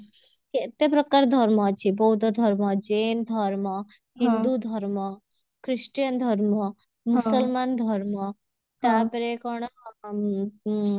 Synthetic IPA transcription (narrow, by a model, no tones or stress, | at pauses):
ket̪epɾəkaɾd̪ʱɔɾmɔt͡ʃʰibɔɦud̪ɔd̪ʱɔɾmɔd͡ʒeːnd̪ʱɔɾmɔ | ɦĩnd̪ud̪ʱɔɾmɔ | kɾɪʂʈjənd̪ʱɔɾmɔ | msəlmand̪ʱɔɾmɔ | t̪apɾekɔɽ̃